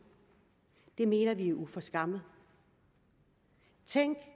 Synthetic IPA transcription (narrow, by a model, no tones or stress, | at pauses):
d̥e̝me̝ːnɐʋiæʔufɒ̽sɡ̥ɑ̈mð̩ˠ | t͡sʰeŋ̰ɡ̥